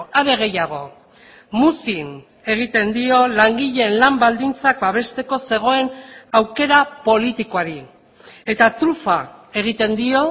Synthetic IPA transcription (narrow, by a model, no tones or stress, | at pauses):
aβe̞ɣ̞e̞jaɣ̞o̞̰ | musin | e̞ɣ̞it̪e̞nd̪io̞laŋɡiʎe̞ːnlambald̪int͡sak̚baβ̞e̞st̪e̞ko̞se̞ɣ̞o̞e̞nawke̞ɾapo̞lit̪ikoaɾi | e̞t̪at̪ɾufae̞ɣ̞it̪e̞nd̪io̞